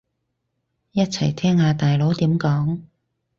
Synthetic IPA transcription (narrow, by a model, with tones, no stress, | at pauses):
jɐ˥t̚t͡sʰɐ˨˩jt̪ʰɛː˥ŋhaː˨˧t̪aː˨jlo˨˥wt̪iː˨˥mkɔː˨˥ŋ